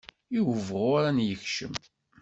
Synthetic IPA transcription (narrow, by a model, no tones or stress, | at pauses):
juvʁʊɾænjəçʃə̰m